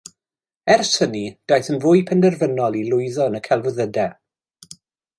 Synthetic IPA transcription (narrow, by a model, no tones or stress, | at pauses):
ɛrsənid̥ajθənvʊːjpʰɛndɛrvənɔlˠilˠʊjðɔnəkʰɛlˠvʊðədɛ